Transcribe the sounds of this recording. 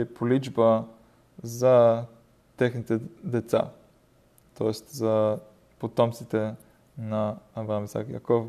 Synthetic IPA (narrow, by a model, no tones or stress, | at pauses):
ipolid͡ʒbə | zɐ | t̪ɛxnit̪ɛd̪ɛt̪sa̰ | t̪ɔɛst̪zɐ | pot̪ɔmt̪sit̪ɛ | nɐːvɾamisa̰kja̰kɔ